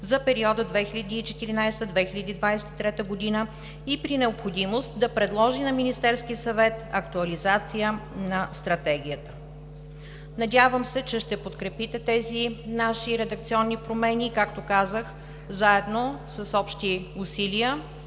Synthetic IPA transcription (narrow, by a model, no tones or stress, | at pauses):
zɐpɛɾiɔd̪əd̪vɛxilʲɐd̪iːt͡ʃɛt̪iɾinajst̪əd̪vɛxilʲɐd̪iːd̪vajsɛ̥t̪it̪ɾɛt̪əɡod̪inə | ipɾinɛopxod̪imost̪d̪ɐpɾɛd̪lˠɔʒinɐminist̪ɛɾsk̟iəsɐvɛt̪ɐkt̪uɐlizat̪sijənɐst̪ɾɐt̪ɛɡ̟ijət̪ə̥ | nɐd̪ʲavəmsɛt͡ʃɛʃt̪ɛpot̪kɾɛpit̪ɛt̪ɛzinaʃiɾɛd̪ək̚t̪siɔnːipɾomɛnʲikakt̪okazəx | zaɛd̪nosɐsɔpʃt̪iusiliə